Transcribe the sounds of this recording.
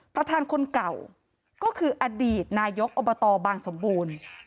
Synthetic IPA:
pʰɾa˧t̪ʰaː˧nkʰo˧nka˨˩w | kɔː˥˩kʰɯː˧ʔa˧diː˨˩t̪̚naː˧jo˦˥k̚ʔo˨˧bɔ˧t̪ɔː˧baː˧ŋso˩˦mbuː˧n

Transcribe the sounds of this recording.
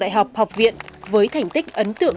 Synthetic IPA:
ɗa̰˧˨jɦa˨˩wk͡p̚ha˨˩wk͡p̚vḭ˧˨ənvəː˨˦jt̪ʰa˨˩jŋ̟t̪ï˦˥k̚ʔə˨˦nt̪ɨ̰˧˨ə

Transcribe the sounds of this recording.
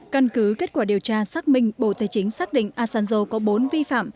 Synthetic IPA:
ka˧nkɨ˨˦ke˦˥t̚kwaː˧˩ɗi˨˩əwt͡ɕaː˧saː˦˥k̚mï˧ŋ̟ɓo̰˧˨t̪ʰaː˨˩jt͡ɕï˨˦ŋ̟saː˦˥k̚ɗḭ̈˧˨ŋ̟ʔaː˧saː˧nzo˧kɔ˨˦ɓo˨˦nvi˧fa̰ː˧˨m

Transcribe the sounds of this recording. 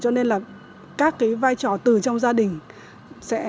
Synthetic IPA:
t͡ɕɔ˧ne˧nlaː˨˩ | kaː˦˥kːaː˨˦jvaː˧jt͡ɕɔ˨˩t̪ɨ˨˩t͡ɕɔ˧wŋ͡mzaː˧ɗï˨˩ŋ̟ | sɛ̰˧˥

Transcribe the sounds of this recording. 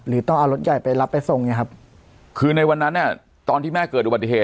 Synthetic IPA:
ɾɯː˩˦t̪ɔ˥˩ŋʔaː˧wɾo˦˥t̪̚ja˨˩jpa˧jla˦˥pːa˧jso˨˩ŋni˦˥˩kʰa˦˥p̚ | kʰɯː˧na˧jwa˧nːa˦˥nːi˥˩ | t̪ɔː˧nt̪ʰiː˥˩mɛː˥˩kɤː˨˩t̪̚ʔu˧ba˨˩i˨˩eː˨˩

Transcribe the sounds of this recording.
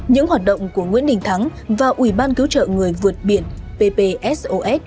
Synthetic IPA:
ɲɨ̰˧˥ŋɦwaː˨˩t̚ɗə̰˧˨wŋ͡mku˧˩əŋwḭ˧˥ənɗï˨˩ŋ̟t̪ʰa˨˦ŋvaː˨˩ʔwi˧˩ɓaː˧nkɨ˨˦wt͡ɕə̰ː˧˨ŋɨ˨˩əjvɨ˨˩ət̚ɓi˧˩ənpe˧pe˧ʔɛ˦˥sʔo˧ʔɛ˦˥t̚

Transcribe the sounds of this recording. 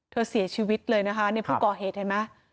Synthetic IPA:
t̪ʰɤː˧si˨˩˦ɐt͡ɕʰiː˧˩wi˦˥t̪̚lɤː˧jna˦˥kʰa˦˥na˧˥kʰu˥˧˩kɔː˨˩ɦeː˨˩t̪̚ha˨˩jma˦˥

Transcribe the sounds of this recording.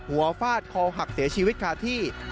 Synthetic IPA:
hu˩˦ɐfaː˥˩t̪̚kʰɔː˧ɦa˨˩k̚si˩˦ɐt͡ɕʰi˧wi˦˥t̪̚kʰaː˧t̪ʰiː˥˩

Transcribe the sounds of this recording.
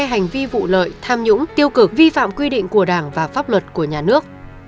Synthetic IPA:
ɦa˨˩jŋ̟vi˧vṵ˧˨lə̰ː˧˨jt̪ʰaː˧mɲʊ̰˧˥ŋ͡mt̪i˧əwkɨ˨˧˩k̚vi˧fa̰ː˧˨mkwi˧ɗḭ̈˧˨ŋ̟ku˧˩əɗaː˧˩ŋvaː˨˩faː˦˥p̚lwə˨˩t̚ku˧˩əɲaː˨˩nɨ˦˥ək̚

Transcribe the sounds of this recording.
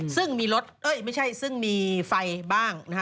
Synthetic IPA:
sɯ˥˩ŋmiː˧lo˦˥t̪̚ʔɤ˦˥˩jma˥˩jt͡ɕʰa˥˩jsɯ˥˩ŋmiː˧fa˧jbaː˥˩ŋna˦˥

